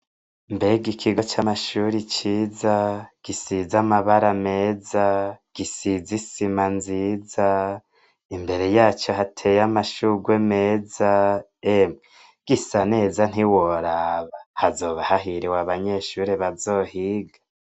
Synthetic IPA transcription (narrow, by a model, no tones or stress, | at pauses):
mbe̞ɡikʰiɡot͡ʃamaʃuɾit͡ʃiːzaɡ̥isizamaβaɾame̞ːzaɡ̥isizisimanziza | imbe̞ɾe̞jaːt͡ʃo̞ɦatʰe̞jamaʃuɡweme̞ːza | emŋe | ɡ̥isane̞ːzan̥iwoɾaβahazo̞ːβahaɦiɾiwaβaɲe̞ʃuːɾeβazo̞ːhiːɡḁ